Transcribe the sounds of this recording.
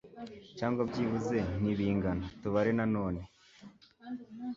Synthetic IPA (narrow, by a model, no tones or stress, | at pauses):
caːŋɡwabɟiːβuze̞n̥iβiːŋɡanatuβaɾenano̞ːne̞